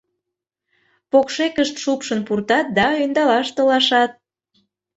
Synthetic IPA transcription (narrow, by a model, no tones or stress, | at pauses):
pokʃekəʃt̪ʃupʃənpurt̪ɑt̪̚d̪ɑøjnd̪ɑlɑʃt̪əlɑʃɑt̪̚